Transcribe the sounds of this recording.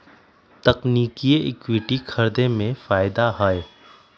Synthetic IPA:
t̪ɐqniːkieʔɪkwɪʈikʰɐɾd̪emẽfaːɪd̪aɦaːj

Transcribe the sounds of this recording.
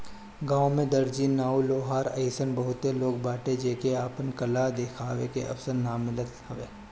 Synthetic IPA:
ɡãːwmẽd̪əɾd͡ʒinaːuloːɦaːɾɐ̰ɪsənbɐɦʊt̪ːeloːɡ̚baːʈed͡ʒeːkeaːpənkɐlad̪eːkʰaːʋekeʔɐ̰fsəɾnaːmːɪlət̪ɦɐʋeː

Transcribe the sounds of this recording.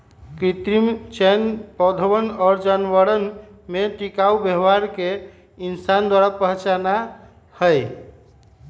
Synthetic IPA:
kɾit̪ɾimt͡ʃɛnpɔd̪ʱəwənɔɾd͡ʒanbəɾənmet̪ikaubjəɦʋaɾke | insand̪waɾapəɦt͡ʃana | həj

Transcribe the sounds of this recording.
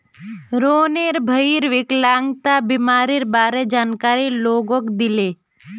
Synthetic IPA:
ɾoːneɾbʱəiɾʋɪklaŋɡt̪abimaːɾiɾbaːɾed͡ʒaːnkaːɾiloːɡokd̪ile

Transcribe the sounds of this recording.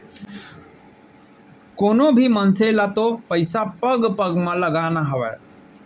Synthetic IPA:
koːnobʱimənselat̪opəɪsapəɡpəɡmẽləɡanaɦəʋɛ

